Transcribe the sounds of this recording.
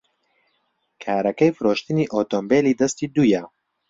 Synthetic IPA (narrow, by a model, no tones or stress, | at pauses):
kʰaːɾɐkɛjfɨɾoːʃt̪ɨniːʔoːt̪oːmbeːliːd̪ɐst̪iːd̪ujɛ